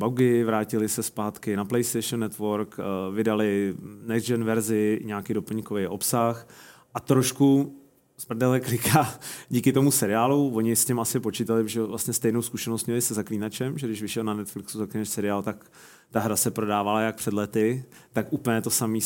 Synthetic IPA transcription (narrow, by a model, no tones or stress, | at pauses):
bawɡɪvɾaːcɪlɪsɛspaːt̪kɪnaplɛjst̪ejʃnːɛt̪vo̞ɾkvɪdalɪnɛʒɛnvɛɾzɪɲaːkido̞pl̩ɲkovejʔo̞psaxʔat̪ɾoʃku | sprdɛlɛklɪkʰaːɟiːkɪt̪o̞musɛɾɪaːluvo̞ɲɪscɛmasɪpot͡ʃiːt̪alɪʒɛvlast̪ɲɛst̪ɛjnowskuʃɛnost̪ɲɛlɪsɛzakliːnat͡ʃɛmʒɛdɪʃvɪʃɛlnanɛt̪flɪksuzakliːnaʃsɛɾɪaːlt̪ak | t̪aɦɾasɛpɾo̞daːvalajak̚pr̥ɛdlɛt̪ɪ | t̪akʔuːpl̩ɲɛt̪o̞samiː